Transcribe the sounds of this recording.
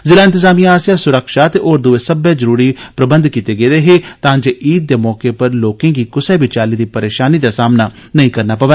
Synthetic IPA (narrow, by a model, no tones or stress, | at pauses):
zɪlaːɪnt̪ɪzaːmijãaːsɪjaːsʊɾəkʃaːt̪eːʔoːɾd̪uːeːsəbɛːd͡ʒəɾuːɾiːpɾəbə̃nd̪kiːt̪eːɡeːd̪eːɦeːt̪ãːd͡ʒeːʔiːt̪̚d̪eːmɔːkeːpəɾloːkẽːɡiːkʊsɛːbɪt͡ʃaːliːd̪iːpəɾeːʃaːniːd̪aːsaːmnaː | nəĩːkəɾnaːpəʋɛː